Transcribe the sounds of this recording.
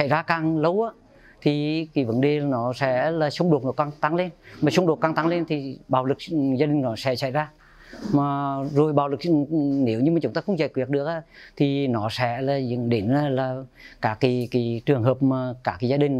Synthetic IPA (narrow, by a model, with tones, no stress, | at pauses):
a̰˧˩jzaː˧kaː˨˩ŋlə˨˦wʔaː˨˧˦ | t̪ʰi˨˩ki˨˦və˨˦nɗe˨˩˨nɔ˨˦sɛ̰˧˥laː˨˩sə˧wŋ͡mɗo˨˩t̚nɔ˨˦˩kaː˧ŋt̪a˨˦ŋle˧nmaː˨˩sə˧wŋ͡mɗo˨˩t̚kaː˧˩ŋt̪a˨˦ŋle˧nt̪ʰi˨˩ɓaː˨˩wlɨ˨˩k̚zaː˧ɗï˨˩ŋnɔ˨˦sɛ̰˧˥sa̰˧˩jzaː˧ | maː˨˩zo˨˩jɓaː˨˩wlɨ˨˩k̚ne˨˦wɲɨ˧maː˨˩t͡ɕʊ˨˦ŋ͡mt̪aː˧xə˧wŋ͡mza̰ː˧˨jkwi˨˩ək̚ɗɨ˨˩ək̚ʔaː˧˦t̪ʰi˨˩nɔ˨˦sɛ̰˧˥laː˨˩zɗe˨˦naː˨˧˦laː˨˩kaː˨˦˥ki˨˦ki˨˦t͡ɕɨ˨˩əŋɦəː˨˩p̚maː˨˩kaː˨˦˥kiː˨˦zaː˧ɗï˨˩ŋ̟